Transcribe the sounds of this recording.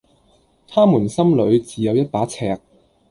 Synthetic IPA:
t̪ʰaː˥muː˨˩nsɐ˥mlɵ˨˧ɥt͡siː˨˧jɐ˨˧wjɐ˥t̚paː˨˥t͡sʰɛ̰ː˨˩k̚

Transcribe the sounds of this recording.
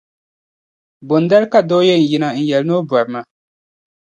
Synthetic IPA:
bo˨nda˦ɾka˦doː˦je˦˨n̩˨ji˨˦na˨n̩˨jɛ˨lno˦ba˨ɾma˨

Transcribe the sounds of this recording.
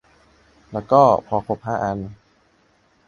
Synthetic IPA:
lɛː˦˥wkɔː˥˩pʰɔː˧pʰo˧˩p̚haː˧˩ʔa˧n

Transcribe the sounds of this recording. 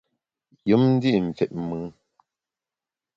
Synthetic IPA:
jɨ˨˦mn̩˦di˦˨ɱ̩˨fɛ˨ʔ̚mɨ˨˦

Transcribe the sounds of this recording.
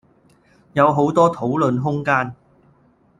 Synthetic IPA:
jɐ˨˧wɦo˨˥wt̪ɔː˥t̪ʰo˨˥wlɵ˨˧nɦʊ˥ŋkaː˥n

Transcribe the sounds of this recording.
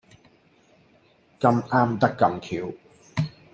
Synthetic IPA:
kɐ˧mʔaː˥mt̪ɐ˥kːɐ˧mkʰiː˨˧w

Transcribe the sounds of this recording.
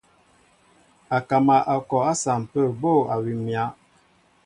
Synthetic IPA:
a˨ka˨ma˨ʔa˨kɔ˨a˦sa˨m̩˨pə˦˨bo˦˨a˨wi˨mja˦

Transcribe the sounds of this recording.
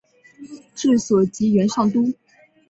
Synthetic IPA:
ʈ͡ʂɻ̩˥˩swɔ˨˩t͡ɕi˧˥ɥɛ˧˥nʂɑ˥˩ŋt̪u˥

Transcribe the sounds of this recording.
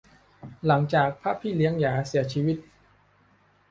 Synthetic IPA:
la˩˦ŋt͡ɕaː˨˩k̚pʰa˦˥˩pʰːiː˥˩li˧˦˥əŋjaː˩˦si˨˩˦ɐt͡ɕʰiː˦˥˩wi˦˥t̪̚

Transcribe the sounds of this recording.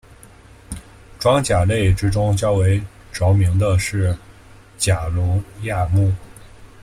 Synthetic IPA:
ʈ͡ʂwɑ˥ŋt͡ɕja˨˩le˥˩ɪʈ͡ʂɻ̩˥ʈ͡ʂʊ˥ŋt͡ɕjɑ˥ʊwe˧˥ɪ | ʈ͡ʂo˧˥ʊmi˧˥ŋd̪ə˧ʂɻ̩˥˩ | t͡ɕja˨˩lɔ˧˥ja˥˧mu˥˩

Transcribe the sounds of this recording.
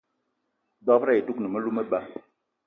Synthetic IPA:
dɔ˦pɾa˦˨e˨tu˦knə˨mə˦lu˦mə˦ba˨

